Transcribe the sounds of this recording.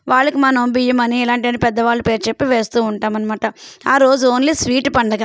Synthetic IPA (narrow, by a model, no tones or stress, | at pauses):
ʋaːɭːɐkimɐnɐmbijɐmɐniɛlaːɳʈiɐnːipɛd̪ːɐʋaːɭːɐpeːɾut͡ʃe̞pːiʋe̞ːst̪uːuɳʈaːmɐnimaːʈɐaːɾo̞ːd͡ʒuoːnlisʋiːʈpɐɳɖɐɡa